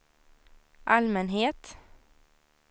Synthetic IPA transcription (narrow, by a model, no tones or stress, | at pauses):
ʔalmɛnɦeːt̪